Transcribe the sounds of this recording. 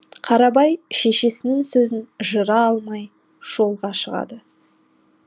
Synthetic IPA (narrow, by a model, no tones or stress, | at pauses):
qʰɑɾɑbɑjʃe̞ʃe̞sɪnɪŋsɵzɪnʒəɾɑɑlˠmɑj | ʒ̥o̞lˠʁɑʃəʁɑ̰d̪ə